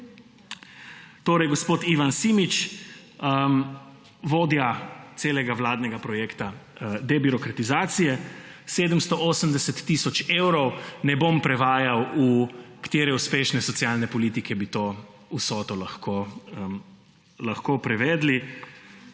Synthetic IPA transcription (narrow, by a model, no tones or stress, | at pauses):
t̪oːɾɛjɡɔspoːt̪iʋansiːmit͡ʃ | ə | ʋoːd̪jat̪seːlɛɡaʋlaːd̪nɛɡapɾɔjeːkt̪ad̪ɛbiɾɔkɾat̪izaːt̪sijɛseːd̪əmst̪ɔʔoːsəmd̪ɛsɛt̪ːisɔt͡ʃewɾɔwnɛbompɾɛʋaːjawukḁt̪jeːɾɛuspeːʃnɛsɔt̪sijalnɛpɔliːt̪ikʰɛbit̪o | usɔːt̪ɔlaxko | laxkoːpɾɛʋɛːd̪li